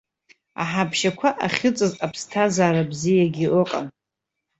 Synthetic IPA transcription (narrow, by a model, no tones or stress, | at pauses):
a̰ħabʰʃakʷʰaʔaχʲɪt͡sʼɨzapʰstʰazaːɾabzijaɡʲiʔʊqʼa̰n